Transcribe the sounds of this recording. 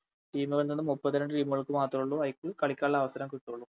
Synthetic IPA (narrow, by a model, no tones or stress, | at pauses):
ʈiːmuɣɐɭninːɨmupːɐðiɾeɳɖɨʈiːmuɣɐɭkːɨmaːt̪rumuɭːuɐjkːɨkɐɭikʲːaːɭːɐʋɐsɐɾɐmkuʈːuuɭːu